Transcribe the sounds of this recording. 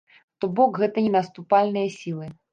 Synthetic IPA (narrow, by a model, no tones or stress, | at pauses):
t̪ɔbɔkɣɛt̪ɐnʲɛnɐst̪upalʲnɨjɐsʲilˠɨ